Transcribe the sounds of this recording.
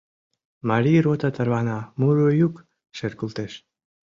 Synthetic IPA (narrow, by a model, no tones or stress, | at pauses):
maɾiɾot̪at̪aɾβanamuɾujuk | ʃeɾkult̪eʃ